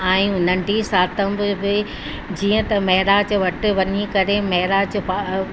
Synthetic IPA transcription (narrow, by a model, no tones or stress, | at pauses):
ãːĩʊn̤əɳɖisaːt̪əmbɪbɪ | d͡ʑiːə̃t̪ɐmɐɦɾat͡ɕʋɐʈɪʋɐɲikɐɾemɐɦɪɾat͡ɕp